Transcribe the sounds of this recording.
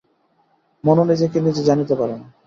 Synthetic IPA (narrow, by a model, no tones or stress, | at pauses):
mononid͡ʑekinid͡ʑed͡ʑanit̪epaɾen